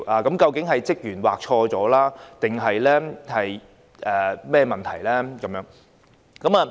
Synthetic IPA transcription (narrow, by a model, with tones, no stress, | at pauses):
ʔaː˨˧kɐ˨˥mkɐ˧wkɪ˨˥ŋɦɐ˨jt͡sɪ˥k̚jyː˨˩nwaː˨k̚t͡ʃʰɔː˧t͡sɔː˨˥laː˥t̪ɪ˨ŋɦɐ˨jlɛː˥hɐ˨j | ʔɛː˨mɛː˥mɐ˨nt̪ʰɐ˨˩jlɛː˥kɐ˨˦mjœː˨˥ŋ | kɐ˨˦˥maː˨˧